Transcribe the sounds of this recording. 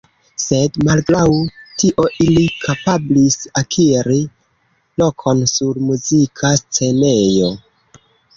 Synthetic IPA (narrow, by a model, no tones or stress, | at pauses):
se̞dmalɡɾawtʰiʔo̞ʔilikʰapablisakʰiɾi | lo̞kʰo̞nsuɾmuzikʰast͡se̞ne̞jo̞